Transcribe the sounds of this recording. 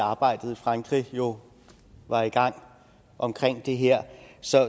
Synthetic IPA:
ɑ̈ːb̥ɑ̈ɪ̰d̥ð̞̩ˠifʁɑ̈ŋɡ̥ʁijo̝ | ʋɑ̈iɡ̥ɑ̈ŋ̰ | ʔɒ̽mkʰʁeŋ̰d̥e̝ɦeɐ̰sɒ̽

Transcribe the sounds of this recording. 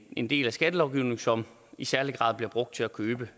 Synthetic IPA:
e̝nd̥e̝̰ːlæsɡ̥æd̥əlɒʊɡ̥iʊne̝ŋsɒ̽m | isæɐliɡ̥ʁɑ̰̈ð̰ˠb̥liɐb̥ʁɔ̽ɡ̥̚d̥̚t͡sʰe̝ækʰøːb̥ə

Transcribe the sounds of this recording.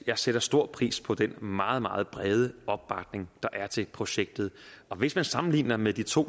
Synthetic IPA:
jɑ̈ɪseɾ̥ɐsd̥o̝ɐ̰̥pʰʁḭːspʰɒ̽d̥enmɑ̈ːð̞̩ˠmɑ̈ːð̞̩ˠb̥ʁɛːð̞ˠəɒ̽b̥̚ːɑ̈ɡ̥̚ne̝ŋd̥ɑ̈ʔæɐt͡sʰe̝lpʰʁo̝ɕeɡ̥̚d̥ð̩ˠɒ̽ʋe̝smænsɑ̈mn̩lḭːnɐmed̥it͡sʰo̝̰ː

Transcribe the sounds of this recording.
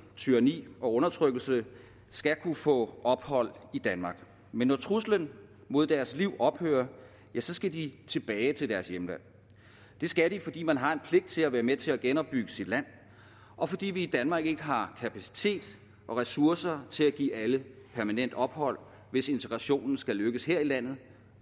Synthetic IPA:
t͡sʰyɐnḭːɒ̽ɔ̽nɐt͡sʰʁœɡ̥l̩sə | sɡ̥ækʰufɔ̰̽ʔɒ̽b̥hɒ̽l̰id̥ænmɑ̈ɡ̥ | menːɒt͡sʰʁuslən | mo̝ð̞̰ˠd̥æɐsliʊ̰ɒ̽b̥hø̰ːɐ | jæsɒ̽sɡ̥ædit͡sʰe̝b̥ɛːɪt͡sʰe̝ld̥æɐsjemlæn̰ | d̥e̝sɡ̥æɾ̥ifɒ̽d̥ḭːmænɦɑ̈e̝npʰle̝ɡ̥̚d̥̚t͡sʰe̝læʋæːɐmet͡sʰe̝læɡ̥enɒ̽b̥ːyɡ̥əsid̥læn̰ | ʔɒ̽fɒ̽d̥ḭːʋiːd̥ænmɑ̈ːɡ̥e̝ɡ̥əɦɑ̈kʰæpʰæsi̥t͡sʰe̝̰ːd̥ | ʔɒ̽ʁɛsuɐsɐt͡sʰe̝læɡ̥ḭːæləpʰæɐmænen̰d̥ɒ̽b̥hɒ̽l̰ | ʋe̝se̝nt͡sʰeɡ̥ʁɑ̈ɕo̝̰ːnn̩sɡ̥æløɡ̥əsheɐilæn̰ð̞̩ˠ

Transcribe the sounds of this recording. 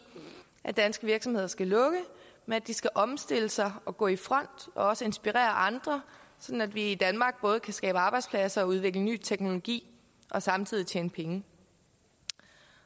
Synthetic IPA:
ʔæd̥ænsɡ̥əʋiɐɡ̥sɒmhe̝ð̞̰ˠɐsɡ̥ælɔ̽ɡ̥əmenæd̥isɡ̥æʔɒ̽msd̥e̝ləsɑ̈ɪɒ̽ɡ̥ɔ̰ːifʁɒ̽n̰d̥ɒ̽ɒ̽səe̝nsb̥iʁɛ̰ːɐʔɑ̈nd̥ʁɐsɒ̽d̥n̩æd̥ʋiid̥ænmɑ̈ːɡ̥̚b̥ɔ̽ːð̞̩ˠkʰæsɡ̥ɛ̰ːb̥əɑ̈ːb̥ɑɪdspʰlæsɐɒ̽uð̞ˠʋe̝ɡ̥ləny̰ːt͡sʰeɡ̥no̝lo̝ɡ̥ḭː | ʔɒ̽sɑ̈mt͡sʰið̰ˠit͡ɕʰḛːnəpʰeŋə

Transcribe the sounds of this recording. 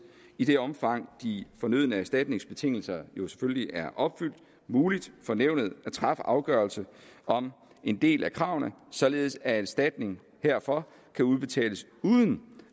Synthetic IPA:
id̥e̝ɒ̽mfɑ̈ŋ̰d̥ifɒ̽nøð̰ˠnəæɐsd̥æd̥ne̝ŋsb̥e̝t͡sʰe̝ŋ̰l̩sɐjo̝se̥føləliʔæɐʔɒ̽b̥fyl̰d̥ | muːlid̥fɒ̽neʊ̰nəð̞̩ˠæt͡sʰʁɑ̈fəʔɑ̈ʊɡ̥ɶɐlsəɒ̽m | e̝nd̥e̝̰ːlækʰʁɑ̈ʊ̰nəsɒ̽le̝ːð̞ˠsææsd̥æd̥ne̝ŋ | heɐ̰fɒ̽ | kʰæuð̞ˠb̥e̝t͡sʰɛ̰ːləs | uːðˠən̩

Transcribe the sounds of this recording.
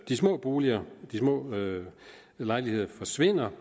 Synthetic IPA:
d̥ismɔ̰̽ːb̥o̝ːliɐd̥ismɔ̰̽ː | lɑ̈ɪlihe̝ð̞̰ˠɐfɒ̽sʋe̝n̰ɐ

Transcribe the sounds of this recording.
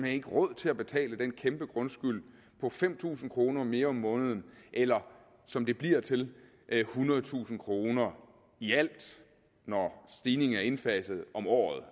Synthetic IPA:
mæe̝ɡ̥əʁɔ̽ð̞̰ˠt͡sʰe̝læb̥e̝t͡sʰɛ̰ːləd̥enkʰemb̥əɡ̥ʁɔ̽nsɡ̥yl̰ | pʰɒ̽fem̰t͡sʰṵːsn̩kʰʁo̝ːnɐme̝ːɐɒ̽mːɔ̽ːnəð̞ˠən̩ʔelɐ | sɒ̽md̥e̝b̥liɐt͡sʰe̝l | ʔhunɐð̩ˠt͡sʰṵːsn̩kʰʁo̝ːnɐ | iæl̰d̥ | nɒsd̥iːne̝ŋn̩æɐe̝nfɛsð̩ˠɒ̽mɒ̰ːð̞̩ˠ

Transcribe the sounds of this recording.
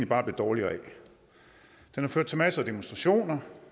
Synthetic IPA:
nlibɑ̈ːb̥le̝d̥ɒːliɐɛ | d̥enhɑ̈føɐd̥t͡sʰemæsəæd̥emonsd̥ʁɑ̈ɕo̝̰ːnɐ

